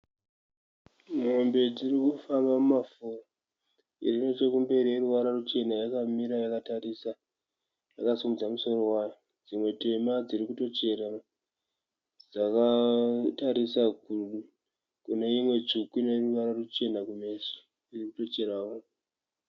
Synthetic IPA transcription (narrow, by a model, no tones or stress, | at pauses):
mo̞mbe̞d͡zirikufambamumafora | irino̞t͡ʃokumbe̞ɾijeruʋaɾarut͡ʃe̞najakamiɾajakatarisa | jakasumud͡zamuso̞ro̞wajo | d͡zimwe̞te̞mad͡zirikuto̞t͡ʃe̞rara | d͡zakataɾisakuu | kune̞imwe̞t͡ʂukine̞ruʋaɾarut͡ʃe̞nakume̞sḁ | d͡zirikuto̞t͡ʃe̞ɾaʋo